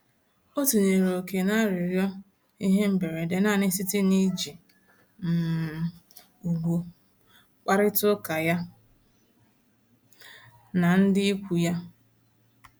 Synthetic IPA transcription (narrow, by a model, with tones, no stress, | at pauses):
o˦tu˨ne˨ɾo˨ke˨na˦ɾɪ˨ɾjɔ˦ | i˦ɦe˦m̩˦be˨ɾe˨de˨na˦˨nɪ˦sɪ˦tɪ˦ni˦d͡ʒi˨ | m̩˨ | u˨ɡʷu˨ | k͡pa˦ɾɪ˦tʊ˦ka˨ja˦ | na˨n̩˦dɪ˦i˦kʷu˨ja˦